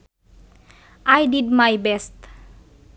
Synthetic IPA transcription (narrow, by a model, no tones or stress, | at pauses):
ajdidmajbɛst